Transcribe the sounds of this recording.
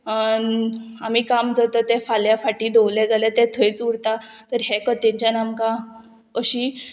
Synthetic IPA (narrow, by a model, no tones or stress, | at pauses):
namiːkamd͡zat̪ət̪ɛfaljafaʈiːd̪owljad͡zaljat̪ɛt̪ʰəjt͡suɽt̪at̪əɾɦɛkət̪ɛɲt͡ɕanamka | əɕiː